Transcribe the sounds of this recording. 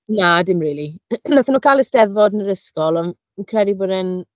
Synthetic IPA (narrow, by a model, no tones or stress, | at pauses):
nadɪmriːlˠinaθənuːkʰajlˠəstɛðvɔdnəɾəskɔlˠɔ | kʰrɛdibʊːdən